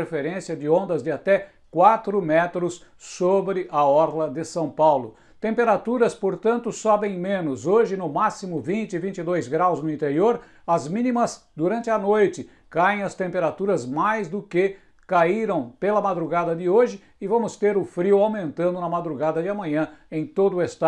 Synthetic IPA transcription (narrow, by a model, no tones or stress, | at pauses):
ɾefeɾẽsiɐd͡ʒ̪ɪõnd̪ɐzd̪ɪat̪ɛ | kwat̪ɾʊmɛt̪ɾʊssobɾɪʔɐɔɾlɐd̪ɪsɐ̃w̃pawlʊ | t̪ẽmpeɾat̪uɾɐspoɾt̪ɐ̃nt̪ʊsɔbẽj̃mẽnʊzoʒɪnʊmasimʊvĩnt͡ʃɪɪvĩnt͡ʃɪd̪ojzɡɾawznʊĩnt̪eɾioɾ | ɐzmĩnimɐz | d̪uɾɐ̃nt͡ʃ̪ɪɐnojt͡ʃɪ | kaẽj̃ɐst̪ẽmpeɾat̪uɾɐzmajzd̪ʊkɪ | kaiɾɐ̃w̃pelɐmad̪ɾuɡad̪ɐd̪ɪoʒɪːvɐ̃mʊst̪eɾʊfɾiwawmẽnt̪ɐ̃nd̪ʊnɐmad̪ɾuɡad̪ɐd̪ɪɐmɐ̃ɲɐ̃ẽj̃t̪od̪ʊest̪a